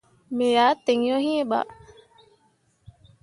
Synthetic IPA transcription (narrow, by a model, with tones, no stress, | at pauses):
me˨ja˨˦te˨ŋjɔ˦hĩ˦e˦ɓa̰˨